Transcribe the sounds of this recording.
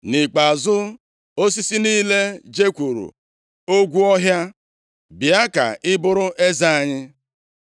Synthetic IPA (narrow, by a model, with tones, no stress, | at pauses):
nɪ˨k͡pa˨zʊ˦ | o˦s̬i˦si˦niː˦le˦d͡ʒe˦kʷu˨ɾṵ˨ | o˦ɡʷu˦ɔ˦ɦja˦ | bi˨a˦ka̰˨ʔɪ˦bʊ˦ɾʊ˦ʔe˦za˨a˨ɲɪ˦